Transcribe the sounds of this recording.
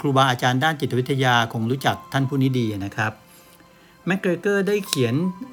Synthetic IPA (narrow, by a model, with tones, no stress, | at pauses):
kʰɾuː˧waː˧ʔaː˧t͡ɕaː˧ndaː˥˩nt͡ɕi˨˩a˦˥t̪ʰːa˧jaː˧kʰo˧ŋɾuː˦˥t͡ɕa˨˩k̚t̪ʰa˥˩npʰuː˥˩niː˦˥diː˧a˩na˦˥kʰɾa˦˥p̚ | mɛ˦˥kɾe˧kɤː˥˩da˥˩jkʰi˩˦ən